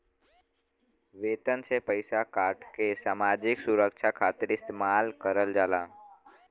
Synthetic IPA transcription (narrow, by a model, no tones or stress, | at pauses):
ʋeːt̪ənsepəɪsakaːɾʈkesaːmaːd͡ʒɪksuɾəkʃʰakʰaːt̪iɾɪst̪emaːlkəɾəld͡ʒaːlaː